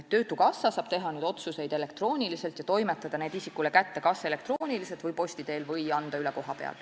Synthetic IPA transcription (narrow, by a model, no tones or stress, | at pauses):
et̪ːø̞ːt̪ukɑsːɑsɑːb̥t̪e̞ɦɑnyːd̪̥o̞t̪suse̞jd̪e̞le̞kt̪ro̞ːnʲilise̞lt̪jɑt̪o̞jmet̪ːˑɑd̪̥ɑneːd̪isikːule̞kæt̪ːekɑse̞le̞k̚t̪roːnʲilise̞lt̪vɤjpo̞sʲt̪id̪e̞ːlvɤjɑnd̪̥ɑyleko̞ɦɑpe̞̰ɑ̰l